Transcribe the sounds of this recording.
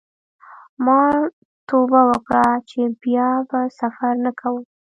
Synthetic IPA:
mɑ | t̪obawəkɽat͡ʃebjɑbasafaɾnakʰawəm

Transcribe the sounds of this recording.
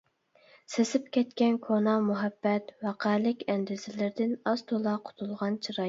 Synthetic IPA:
sesɪpkʲɛt̪kʲɛnkʰonɑmuɦɛbːɛt̪wɑqʰæːlɪkʲɛnd̪ɪzɪlɪɾd̪ɪnɑz̥t̪ʰolˠɑqʰʊ̥t̪ʰulˠʁɑnt͡ʃʰiɾɑ

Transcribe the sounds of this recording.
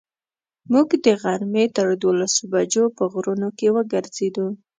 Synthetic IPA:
muɡd̪əɣaɾmet̪əɾd̪olasobad͡ʒopəɣɾunokewəɡəɾz̥ed̪u

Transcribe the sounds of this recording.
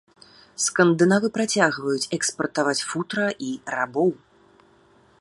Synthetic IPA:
skɐnd̪ɨnavɨpɾat͡sʲaɣvɐjut͡sʲɛkspɐrt̪avat͡sʲfut̪ɾɐʔirabɔw

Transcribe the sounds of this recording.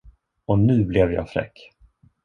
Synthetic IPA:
ɔnʉ̟ːblɛvjɑ̰ːfɾɛ̰kː

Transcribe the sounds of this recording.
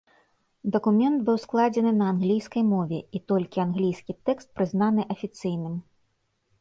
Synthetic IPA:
d̪ɐkumʲɛnd̪bɨwsklˠad͡zʲɛnɨnɐːnɣlʲijskɐjmɔvʲɛ̰it̪ɔlʲkʲianɣlʲijskʲit̪ɛkst̪̚pɾɨznanɨʔɐfʲit̪sɨjnɨm

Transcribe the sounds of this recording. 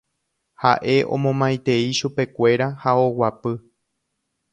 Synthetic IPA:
ha̰ʔe̞ʔõ̞̰mõmãj̃t̪e̞iʃupe̞kʷe̞ɾahao̞wapɨ

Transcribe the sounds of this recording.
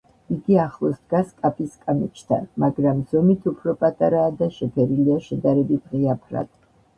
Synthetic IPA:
iɡiaχlˠɔsd̪ɡaskʼapʰʼiskʼamit͡ʃʰt̪ʰa̰nmaɡɾamz̥ɔmit̪ʰupʰɾɔpʼat̪ʼaɾaːd̪aʃɛpʰɛɾiliaʃɛd̪aɾɛbit̪ʰʁiapʰɾa̰d̪̥ʼ

